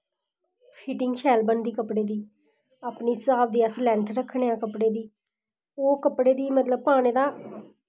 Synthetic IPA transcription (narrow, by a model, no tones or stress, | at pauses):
pʰiːʈɪŋɡt͡ʃʰɛːlbənd̪iːkəpɽeːd̪iː | aːpniːsəaːbd̪iːəslɛ̃ːnt̪ʰɾəkʰɽeːãːkəpɽeːd̪iː | oːkəpɽeːd̪iːmət̪ləb̚paːñeːd̪aː